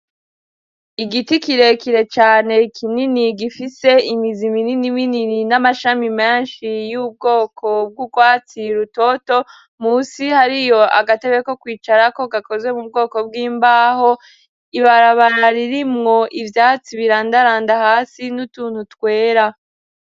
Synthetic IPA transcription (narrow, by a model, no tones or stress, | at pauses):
iɡitikiɾe̞kiɾe̞t͡ʃaːne̞kʰininiɡifise̞imizimininiminininamaʃamimeːnʃijuːb̚ɡo̞ːkʰo̞b̚ɡuɡwaːt͡siɾuto̞to̞ | muːsihaɾijo̞ʔa̰ɡate̞βeko̞kwiːt͡ʃaɾako̞ɡako̞zwe̞mub̚ɡo̞ːko̞bɡiːmbaːho | iβaɾaβaɾaɾiɾimŋo̞ʔivjaːt͡siβiɾaːndaɾaːndahaːsinutuːn̥hutkwe̞ːɾa